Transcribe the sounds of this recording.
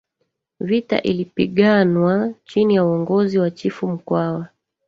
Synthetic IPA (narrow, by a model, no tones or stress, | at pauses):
vita̰ʔilipiɠanwat͡ʃinijauɔŋɡɔziwat͡ʃifum̩kwawa